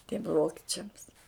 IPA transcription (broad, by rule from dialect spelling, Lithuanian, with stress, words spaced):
tʲiɛm ˈʋoːkʲɪt͡ʃʲɛms